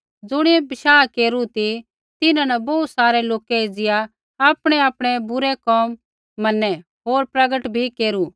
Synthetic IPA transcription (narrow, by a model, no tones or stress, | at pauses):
d͡zʊɽ̃iebɪʃaːkeːɾut̪i | t̪ɪnãnɐbɐut̪saːɾɛloːkɛid͡zɪja | aːpɽ̃ɛaːpɽ̃ɛbʊɾɛkɔːmː | ɐnːɛ | ɦoːɾpɾɐɡəʈbʱikeːɾu